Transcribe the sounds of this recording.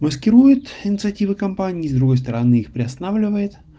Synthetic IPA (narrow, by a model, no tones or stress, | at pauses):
məskʲɪɾujʊt̪ɪnʲɪt̪sɨɐtʲivɨkɐmpanʲɪːzd̪ɾʊɡo̞jst̪əɾɐnɨixpɾʲɪɐst̪ɐnavlʲɪvəjɪt̪